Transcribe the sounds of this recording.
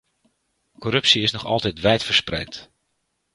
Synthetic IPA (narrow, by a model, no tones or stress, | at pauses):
kɔrɵpsiɪsnɔχɑ̰lˠtɛjtʋɛjtfəɹsprɛjt